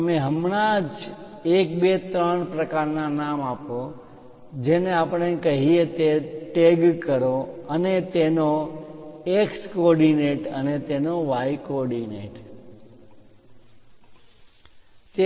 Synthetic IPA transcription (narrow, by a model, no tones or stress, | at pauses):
əmeɦəmɳ̃ad͡ʒ | ek̚bet̪ɾəɳpɾəkaɾnanamapo | d͡ʒeneapəɳ̃ekəɦiet̪eʈeɡkəɾoənet̪eno | ekskɔɾɖineʈənet̪enoʋajkɔɾɖinḛʈ | t̪e